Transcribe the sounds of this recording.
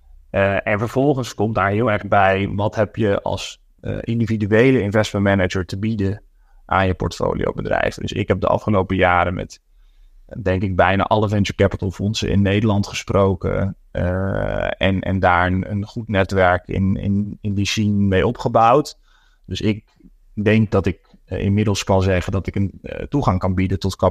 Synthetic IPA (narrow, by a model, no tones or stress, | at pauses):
ɛnvəɹv̥ɔlˠχənskɔmdaːɹɦɪːlˠɛɹχbɛjʋɑtɦɛpjəɑ̰lˠs | ʔɪndividyejləɪnvɛsməntmɛnəd͡ʒəɹtəbidən | ʔaːnjəpɔ̰ɹtfo̰wlḭjo̰wbədrɛ̰jvədə̰sɪ̰kɦɛp̚də̰ʔɑ̰fχəlowpəjaːɾəmɛ̰t | dɛŋkɪɡ̚bɛjna̰ːʔɑləvɛnt͡ʃəɹkɛpətəlˠfɔnsə̰ɪ̰nːejdəlɑntχəsprowkə̰ | ɛ̰nɛ̰ndaːɹənə̰nχutnɛtʋɛɹkɪ̰nɪ̰nɪndisinmejɔpχəbawt | d̥ɵsɪk̚ | dɛŋk̚dɑtɪk | ɪ̰nmɪdəlˠskɑnzɛχəndɑtɪkəntuχɑŋkɑnbidəntɔtkɑ